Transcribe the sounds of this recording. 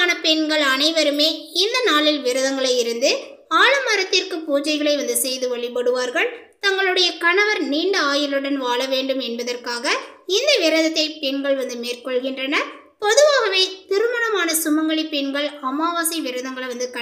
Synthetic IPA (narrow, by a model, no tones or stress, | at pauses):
nɐpɛnɡɐɭɐnɐɪʋɐɾɯmeːɪnd̪ɐnaːɭɪlʋɪɾɐðɐŋɡɐɭɐjɪɾɯnd̪ɯ | aːɭɐmɐɾɐt̪ːɪrkɯpuːd͡ʒɐɪɣɐɭɐɪʋɐnd̪ɯsɛjðɯʋɐɭɪpɐɽɯʋaːɾɣɐɭ | t̪ɐŋɡɐɭɯɽɐjɐkɐɳɐʋɐɾniːɳɖɯaːjɪlɯɽɐnʋaːɭɐʋeːɳɖɯmɛnbɐðɐrkaːɣɐɪnd̪ɐʋɪɾɐðɐt̪ːɐɪpɛɳɡɐɭʋɐnd̪ɯmeːrkɔɭɣɪndrɐnɐ | pɔðɯʋaːɣɐʋeːt̪ɪɾɯmɐnɐmaːnɐsʊmɐŋɡɐɭɪpːɛɳɡɐɭɐmaːʋaːsɐɪʋɪɾɐðɐŋɡɐɭɐʋɐnd̪ɯkɐ